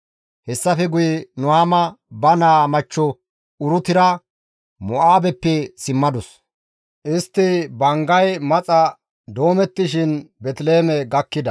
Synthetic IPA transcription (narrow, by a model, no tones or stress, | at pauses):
hɛsːɐfɛɡʊjnʊhaːmɐbɐnaːmɐt͡ʃːɔ | ʊɾʊt̪ɪɾɐ | mɔʔaːbɛpːɛsɪmːɐd̪ɔs | ʔɪst̪ːɪbɐŋɡɐjmɐt͡sʼɐ | d̪o̞ːmɛt̪ːɪʃɪnbɛt̪ɪle̞ːmɛɡɐkːɪd̪ɐ